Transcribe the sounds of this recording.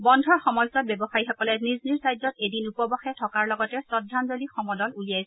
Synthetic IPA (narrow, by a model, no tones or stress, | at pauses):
bɔndʱɔɹxɔmɔlsɔt̚bɛbɔxajixɔkɔlɛnizniɹsajzɔtedinupɔbɔxɛtʰɔkaɹlɔɡɔtɛsɔdʱanzolixɔmɔdɔlulijajsɛ